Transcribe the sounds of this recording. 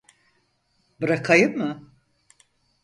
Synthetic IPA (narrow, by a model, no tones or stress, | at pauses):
bɯɾakʰajɯmːɯ